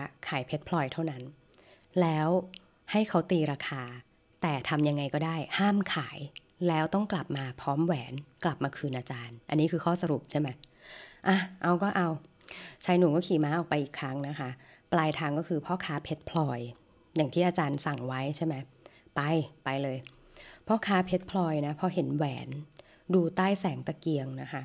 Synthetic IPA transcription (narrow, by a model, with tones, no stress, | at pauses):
kʰaː˩˦jpʰe˦˥t̪̚pʰlɔː˧jt̪ʰa˥˩wna˦˥n | lɛː˦˥w | ha˥˩jkʰa˦˥wt̪iː˧ɾaː˧kʰaː˧ | t̪ɛː˨˩t̪ʰa˧mja˧ŋːa˧jkɔː˥˩daː˥˩jhaː˥˩mkʰaː˩˦j | lɛː˦˥wt̪ɔ˥˩ŋkla˨˩p̚maː˧pʰɾɔː˦˥mwɛː˩˦nkla˨˩p̚maː˧kʰɯː˧nʔaː˧t͡ɕaː˧nʔa˧nːiː˦˥kʰɯː˧kʰɔː˥˩sa˧ɾu˨˩p̚t͡ɕʰa˥˩jma˦˥jʔa˧˩ʔa˧wkɔː˥˩ʔa˧w | t͡ɕʰa˧˥jnu˨˩˦kɔː˥˩kʰiː˨˩˦maː˦˥ʔɔː˨˩k̚pa˧jʔiː˨˩kʰɾa˦˥ŋna˦˥kʰa˦˥ | plaː˧jt̪ʰaː˧ŋkɔː˥˩kʰɯː˧pʰɔ˦˥kʰaː˦˥pʰe˦˥t̪̚pʰlɔː˧j | jaː˨˩ŋt̪ʰiː˥˩ʔaː˧t͡ɕaː˧nsa˨˩ŋwa˦˥jt͡ɕʰa˥˩jma˦˥j | pa˧jpa˧jlɤː˧j | pʰɔ˦˥kʰaː˦˥pʰe˦˥t̪̚pʰlɔː˧jna˦˥pʰɔ˦˥ɦe˩˦nwɛː˩˦n | duː˧t̪aː˥˩jsɛː˩˦ŋt̪a˧ki˧əŋna˦˥kʰa˦˥